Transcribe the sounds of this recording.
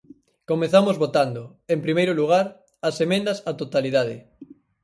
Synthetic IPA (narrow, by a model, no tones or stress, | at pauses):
komeθamozβot̪and̪o | empɾimejɾoluɣ̞aɾ | ɐsemẽnd̪ɐsat̪ot̪aliðaðɪ